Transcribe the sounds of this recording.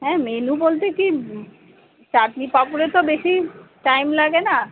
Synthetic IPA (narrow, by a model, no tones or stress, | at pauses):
ɦɛ̃ːmenubolt̪eki | t͡ɕaʈnipapuɾeɾt̪obeʃiʈajmlaɡena